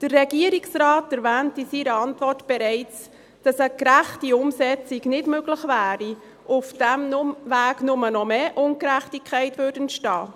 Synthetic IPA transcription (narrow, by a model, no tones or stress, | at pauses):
d̥ərɛɡiəɾiksrɑːtɛɾvæːntisiːɾəɑntvɔrtb̥ɛɾɛɪt͡s | d̥ɑsəkɾæχtiʊmsɛt͡siɡnɪdmøɡləχvæːɾi | ʔʊfd̥æmnʊvæːɡnʊmənɔmeːʔʊŋkɾæχtikʰχæɪtʋʉːɾdəntʃtɑː